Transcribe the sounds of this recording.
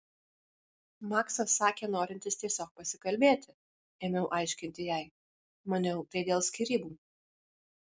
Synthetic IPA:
mɑːksoːsɑːkʲeːnoːɾʲɪnʲt̪ʲɪst̪ʲiɛsʲoːk̚pɐsʲɪkɐlʲbʲeːt̪ʲɪ | eːmʲɛʊʔɑɪʃʲkʲɪnʲt̪ʲɪjæɪ | mɐnʲɛʊt̪ɐɪd̪ʲeːlˠsʲkʲiːɾʲiːbuː

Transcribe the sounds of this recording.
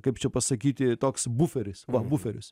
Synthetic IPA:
kɐɪpt͡ʃʲɛpɐsɐkʲiːt̪ʲɪt̪oːksbufʲɛɾʲɪsʋɐbʊfʲɛɾʲʊs

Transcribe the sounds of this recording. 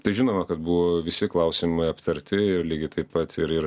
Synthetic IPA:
t̪ɐɪʒʲɪnoːmɐkɐt̪buʋoːʋʲɪsʲɪklˠɐʊsʲɪmɐɪɐpt̪ɐɾʲt̪ʲɪɪɾlʲiːɡʲɪt̪ɐɪppːɐt̪ɪɾɪɾ

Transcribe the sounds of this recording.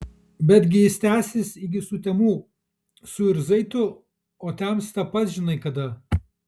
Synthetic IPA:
bʲɛd̪ʲɡʲɪjɪst̪ʲæːsʲɪsɪɡʲɪsʊt̪ʲɛmuː | sʊɪɾzɐɪt̪ʊ | oːt̪ʲɛmsʲt̪ʲɛpɐt̪ʒʲɪnɐɪkɐd̪ɐ

